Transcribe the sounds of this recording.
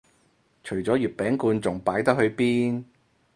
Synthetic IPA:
t͡ʃʰɵ˨˩ɥt͡sɔː˨˥jyː˨t̚pɛː˨˥ŋkuː˧nt͡sʊ˨ŋpaː˨˥jt̪ɐ˥k̚ɦhɵ˧ɥpiː˥n

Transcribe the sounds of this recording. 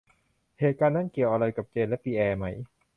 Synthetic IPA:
heː˨˩t̪̚kaː˧nːa˦˥˩nki˨˩əwʔa˧ɾa˧jka˨˩p̚t͡ɕeː˧nlɛ˦˥piː˧ʔɛː˧ma˦˥j

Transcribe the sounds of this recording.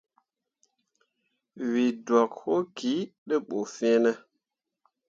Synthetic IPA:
wi˨dwɔ˨kho˦ki˨˦ɗə˦ɓo˨fɛ˦nɛ˦

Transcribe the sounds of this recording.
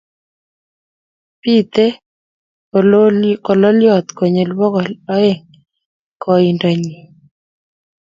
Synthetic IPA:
pi˦t̪e˦ | kɔ˨lɔ˦ljɔ˦˨t̪ko˨ɲe˨lwɔ˦kɔ˨lɔ˦ɛ˦ŋ | kɔ˨i˨nda˨ɲi˨

